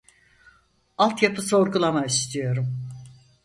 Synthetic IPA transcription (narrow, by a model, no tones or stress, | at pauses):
alˠt̪japʰɯso̞ɾɡulˠamaist̪ʰijo̞ɾum